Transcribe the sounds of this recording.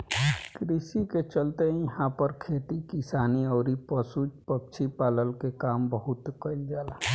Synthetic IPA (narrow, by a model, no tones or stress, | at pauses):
kɾisiket͡ʃəlt̪ẽjɐɦãpəɾkʰeːt̪ikisaːniɔːɾipəsud͡ʒpək̚t͡ʃʰipaːləlkekaːmbəɦʊt̪kəild͡ʒaːlaː